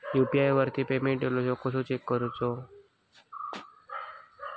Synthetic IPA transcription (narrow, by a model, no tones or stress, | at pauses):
jupiajʋəɾt̪ipemẽɳʈɖelosokosut͡ʃekːəɾut͡so